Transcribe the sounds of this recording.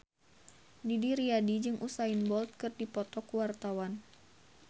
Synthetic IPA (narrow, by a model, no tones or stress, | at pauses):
didiɾiadid͡ʒɨŋʔusainbɔlt̪̚kɨrdipɔt̪ɔkuwart̪awan